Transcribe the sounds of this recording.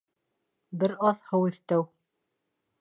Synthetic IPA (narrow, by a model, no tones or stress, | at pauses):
bɘɾɑθhɤ̆wɘ̆θt̪æw